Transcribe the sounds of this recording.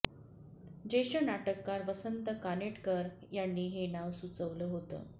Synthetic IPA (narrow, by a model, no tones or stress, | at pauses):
d͡ʑeɕənaʈəkːaɾʋəsənt̪əkaneʈkəɾ | janːiːɦenaʋsut͡səʋləːɦot̪ə̰ː